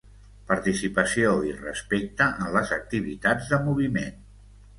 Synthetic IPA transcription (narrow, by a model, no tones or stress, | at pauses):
pəɾt̪isipəsioirəspek̚t̪əʔənləzək̚t̪iβ̞it̪ad͡zðəmuβ̞imen